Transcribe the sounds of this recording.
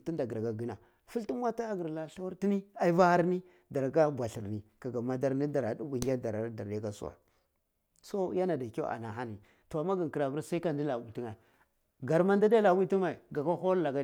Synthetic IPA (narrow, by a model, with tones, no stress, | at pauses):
ti˦nda˨ɡɾa˨ɡa˨ɡi˦na˨ | fu˦ltu˦n˦wa˦ta˦ɡə˨ɾla˨ɬa˦wa˦ɾti˦ni˦a˦i˦va˦ha˦ɾni˦ | da˨ɾka˦bʷa˨ɬi˨ɾni˨ka˨ɡa˨ma˨da˦ɾni˦da˨ɾa˨du˦wi˨ŋɡa˦da˨ɾa˨˦da˨ɾde˦ka˦sṵ˦˨wa̰˨ | so˦ja˦na˨da˨ka̰˦a̰˨na˨xa˦ni˨ | to˨a˨ma˦ɡa˨ŋ˨ki˨ɾa˨vu˦ɾsa˦i˦ka˨n˦di˦la˨wi˨ti˦ŋa˨ | ɡa˨ɾma˦nda˦da˦la˨wi˦ti˦ma˨i˨ɡa˨ka˦xo˦lla˨ɡa˦˨